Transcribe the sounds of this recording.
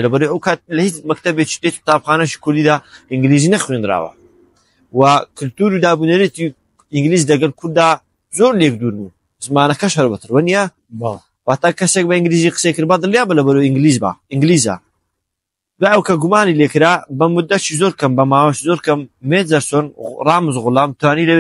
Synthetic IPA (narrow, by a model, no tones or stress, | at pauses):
lɐbɐɾojʔɐwkʰaːt̪̚lɐhit͡smɐk̚t̪ɐbet͡ʃi̥t̪et̪i̥k̚t̪aːbxaːnɐʃi̥kʰʊɾd̪iːd̪aːʔɪŋɡliːziːnɐxweːnd̪ɨɾa̰ːwɐ̰ | wɐkʰʊlt̪uːɾud̪aːbuːnɐɾiet̪i | ɪŋɡliːzdlɐɡɐlkʰʊɾd̪ːaː | zoːɾleːk̚d̪uːɾbu | zmaːnɐkɐʃhɐɾbɐt̪ʰɨɾwɐnijɐ | waːt̪aːkɐseːk̚bɐiŋɡliːziːqə̥sekɨɾbad̪ɨljaːbɐlɐbɐɾoɪŋɡliːzba̰iŋɡliːza̰ | d̪waːɐwkɐɡumaːnileːkɨɾaːbɐmʊd̪ːɐʃizoːɾkʰɐmbɐmaːwɐʃizoːɾkʰɐmːezɐɾsoːnrˤaːmɨzɣʊlaːmt̪ʰwaːnilɐe